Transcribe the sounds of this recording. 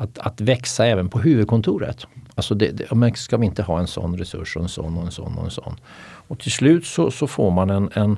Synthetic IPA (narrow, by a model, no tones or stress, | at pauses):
at̪at̪vɛksaɛːvənpʰɔɦʉ̟ːvɵd̪̚kʰɔnt̪ʰuːɾə̰t̪alsɔd̪ɛd̪mɛnskavɪɪnt̪əɦɑːɛnsɔ̰nːɾɛsɵ̰ʂɔɛnsɔ̰nːɔɛnsɔ̰nːɔ̰ɛ̰nsɔ̰nː | ɔt̪ʰɪlslʉ̟ːt̪sɔsɔfoːɾmanɛnɛn